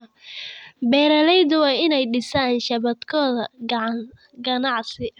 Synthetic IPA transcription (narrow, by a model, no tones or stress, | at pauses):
bɛːɾɐlɛjd̪ʊwɑːɪnɛjɖɪsaːnʃɐβɐd̪kʰɔːðɐ | ɡɐnɑʕsɪ